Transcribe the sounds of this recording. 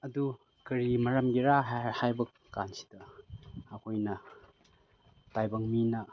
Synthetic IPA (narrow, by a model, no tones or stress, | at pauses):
ɐdu | kɐɾimɐɾɐmɡiɾahajbɐkːansi̥dɐɐkʰojnɐ | tajbɐŋminɐ